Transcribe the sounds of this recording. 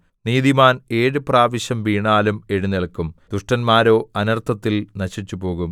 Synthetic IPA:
niːðimaːne̞ːɻɨpraːʋɐɕjɐmʋiːɳaːlume̞ɻuneɭkːumd̪̥uʂʈɐnmaːɾo̞ːɐnɐrt̪ʰɐt̪ːilnɐɕit͡ɕːupo̞ːɣum

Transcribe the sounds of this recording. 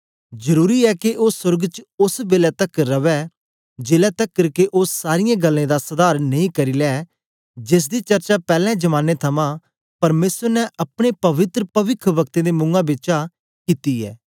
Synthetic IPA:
zəɾuːɾiɛkeʔoːsʊɾɡt͡ʃʊsbeːlɛt̪əkɾɐʋɛ | d͡ʒeːlɛt̪əkːəɾkeʔosaːɾɪjãːɡəlːẽːd̪asɐd̪aːɾnɐĩkɐɾiːlɛː | d͡ʒɪs̬d̪it͡ʃɐɾt͡ʃapɛːlɛ̃d͡ʒɐmaːnːet̪ʰɐmãː | pɐɾmeːsəɾnɛʔɐpɽ̃epɐʋɪt̪ɾəpɐʋɪkʰʋɐkt̪ẽd̪eːmʊ̃ŋɡãbɪt͡ʃa | kiːt̪iɛ̰ː

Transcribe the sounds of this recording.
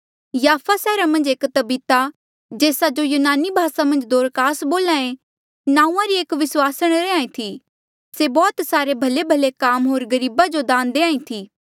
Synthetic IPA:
jaːfʰasɛːɾamɐ̃nd͡ʒeːkt̪ɐbiːt̪a | d͡ʒeːsad͡ʒojuːnaːnibʱaːsamɐ̃nd͡ʒd̪oːɾkaːsboːlãːẽ | nãːũãɾieːkʋɪswaːsəɽ̃ɾeãːĩt̪ʰi | sebɔːt̪saːɾebʱɐlebʱɐlekaːmɦoːɾɡɐɾiːbad͡ʒod̪ãːnd̪eːãːĩt̪ʰiː

